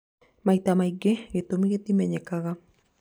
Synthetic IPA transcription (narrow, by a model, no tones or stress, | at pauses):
majt̪amajɡeɡet̪omiɡet̪imeɲekaɣa